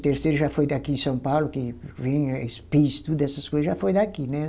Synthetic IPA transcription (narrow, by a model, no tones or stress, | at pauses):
t̪eɾsejɾʊʒafojd̪akiẽsɐ̃w̃pawlʊkɪvẽjḛspist̪ud̪ʊɛsɐskojzɐzʒafojd̪akinɛ